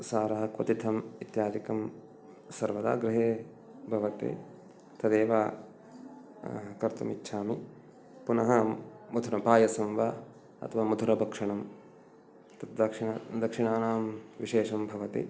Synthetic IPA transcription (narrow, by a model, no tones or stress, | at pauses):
saːɾɐɦɐ̆kʋɐ̰t̪it̪ʰɐmit̪jaːd̪ikɐm | sɐɾʋɐd̪a̰ːɡɾɪɦeː | bʱɐʋɐt̪ḛ | t̪ʰɐd̪eːʋaː | kɐɾt̪umḭtːʃʰaːmi | punɐɦɐmud̪ʱuɾɐpaːjɐsɐmʋaː | ɐ̰t̪ʰɐʋaːmud̪ʱuɾɐbʱɐkʂɐɳɐm | t̪ɐd̪ɐkʂɳɐd̪ɐkʂiɳaːnaːmʋiʃeːʂɐmbʱɐʋɐt̪ḛ